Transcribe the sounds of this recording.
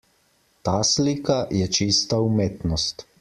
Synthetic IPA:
t̪aːsliːkajɛt͡ʃist̪aumeːt̪nɔst̪

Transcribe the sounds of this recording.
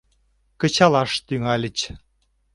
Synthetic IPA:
kə̆t͡ɕɑlɑʃt̪yŋɑlʲə̆t͡ɕ

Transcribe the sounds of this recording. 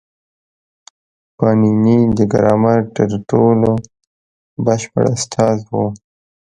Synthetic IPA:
pɑːninid̪əɡa̰ɾɑːmaɾt̪əɾʈoːlo | baʃpə̰ɽast̪ʰɑːzwo

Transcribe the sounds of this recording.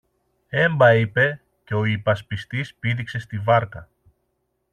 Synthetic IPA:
e̞mbɐipe̞ | ce̞o̞ipɐspist̪ispiðikse̞st̪ivɐɾkɐ

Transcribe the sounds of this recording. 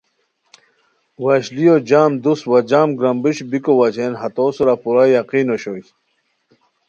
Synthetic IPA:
wɐɕlijod͡ʑaːmd̪uswɐd͡ʑaːmɡɾɐmbiɕbikowɐt͡ɕʰenɦɐt̪oːsuɾapuɾajaqiːnoɕo

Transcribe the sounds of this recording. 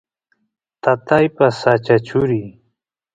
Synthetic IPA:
t̪at̪ajpasat͡ʃat͡ʃʊɾi

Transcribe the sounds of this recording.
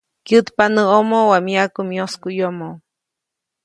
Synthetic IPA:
kjɨt̪panəomowamiakumioskujomo

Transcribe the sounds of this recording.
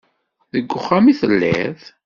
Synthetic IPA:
ðəɡːʊχːamiθəlːæθ

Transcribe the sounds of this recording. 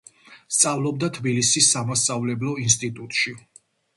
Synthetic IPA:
st̪sʼavlˠɔbd̪at̪ʰbilisisːamasavlɛblɔinst̪ʼit̪ʼut̪ʼʃi

